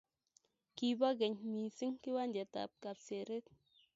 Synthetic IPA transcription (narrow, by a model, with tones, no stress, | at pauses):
ki˨ba˦ɡɛ˨ɲmi˨si˦ŋki˦wa˦nd͡ʒɛ˨ta̰˨p̚ka˨pse˨ɾe˦t̚